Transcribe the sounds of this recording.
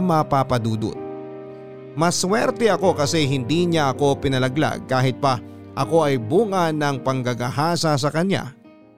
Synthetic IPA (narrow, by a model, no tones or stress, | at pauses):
mɐpapɐd̪uːd̪o̰t̪̚ | mɐswɛɾt̪ɛʔɐko̞kɐsɛɦɪnd̪iːɲaʔɐko̞pɪnɐlɐɡla̰ɡ̚kaːɦɪt̪̚pɐ | ʔɐko̞ʔɐjbuːŋɐnɐŋpɐŋɡɐɡɐhaːsɐs̬ɐkɐɲja̰